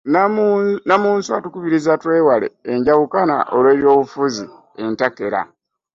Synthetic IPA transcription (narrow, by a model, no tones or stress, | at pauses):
nnamuːnsuatukuβiɾizatwe̞ːwale̞̰ːɲɟaβukana̰ʔolwe̞ːβjo̞ːβufuzi | e̞ntake̞ɾa̰